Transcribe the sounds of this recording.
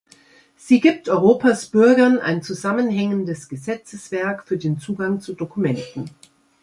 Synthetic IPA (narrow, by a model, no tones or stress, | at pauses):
z̥iːɡiːp̚tʔɔʏʁ̞oːpasb̥ʏɐɡɐna̰ɪnt͡suzamənɦɛŋəndəsɡ̥əzɛt͡səsv̥ɛɐkfyːɐdeːnt͡suːɡaŋt͡sudokumɛntn̩